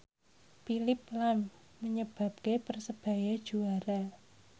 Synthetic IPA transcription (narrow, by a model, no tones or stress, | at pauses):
filɪp̚lamː | əɲəb̥a̤p̚kepərsəb̥a̤jad̥ʒ̥uaɾa